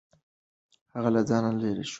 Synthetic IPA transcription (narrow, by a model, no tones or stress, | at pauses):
haɣalad͡zɑnaleɾeʃ